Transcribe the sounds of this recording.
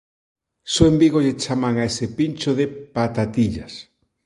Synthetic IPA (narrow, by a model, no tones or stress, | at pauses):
soembiɣoʎet͡ʃamaŋaesɪpint͡ʃoðepat̪at̪iʎas